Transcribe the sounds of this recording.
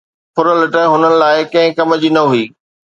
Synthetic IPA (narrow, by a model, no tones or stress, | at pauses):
pʰʊɾəlɪʈəɦʊnənɪ̆laːɪkɐ̃ɦɪ̃kɐmd͡ʑiːnɐɦuiː